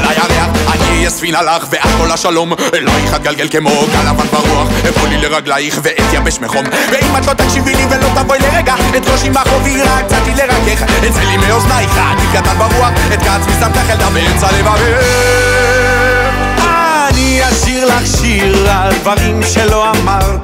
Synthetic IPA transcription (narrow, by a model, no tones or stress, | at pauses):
alajaʁeaχanijasvinalaχveʔatkolaʃalo̞mlaiχat̪̚ɡalɡelkemo̞ɡalavanbaʁuaχefolileʁaɡlaiχveʔet̪jabeʃmeχomveimat̪lo̞t̪akʃivilivelo̞t̪avo̞jleʁeɡaet̪loʃimaχoviʁak̚t͡sat̪ileʁakeχet͡selimeoznaiχat̪ikat̪anbaʁuaχ | et̪̚ɡat͡smizamt̪aχeld̪ameet͡salevave | a | ni | aʃiʁlaχʃi | ʁald̪vaʁimʃelo̞amaʁ